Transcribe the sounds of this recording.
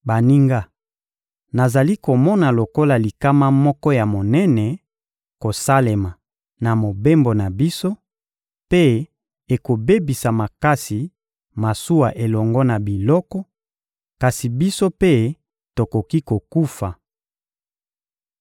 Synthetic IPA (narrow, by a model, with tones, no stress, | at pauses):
ba˨ni˦ŋɡa˦ | na˨za˨li˦ko˨mɔ˦na˨lo˨ko˦la˨li˨ka˦ma˦mɔ˦kɔ˦ja˨mo˨nɛ˦nɛ˨ | ko˨sa˦le˨ma˨ | na˨mo˨be˦mbo˨na˨bi˦so˦ | pe˦ | e˨ko˨be˦bi˨sa˨ma˨ka˦si˨ | ma˨su˦wa˨ʔe˨lɔ˨ŋɡɔ˦na˨bi˨lɔ˦kɔ˦ | ka˨si˨bi˦so˦pe˦ | to˨ko˨ki˦ko˨ku˦fa˨